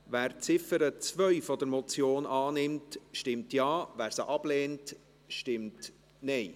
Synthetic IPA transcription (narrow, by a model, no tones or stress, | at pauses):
ʋæːɾt͡sɪfəɾət͡svœɥfɔd̪əɾmɔt͡sjoːnɑːnɪmtʃtɪmtjɑːʋæːɾsəʔɑb̥leːnt | ʃtɪmt | nɛɪ